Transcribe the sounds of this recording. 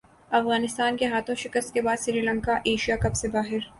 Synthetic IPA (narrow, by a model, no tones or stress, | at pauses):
ɐfɣaːnɪst̪aːnkeɦaːt̪ʰõʃɪkəst̪̚kebaːd̪sɪɾiːlə̃ŋkaʔeːʃijakɐpsebaːɦɪɾ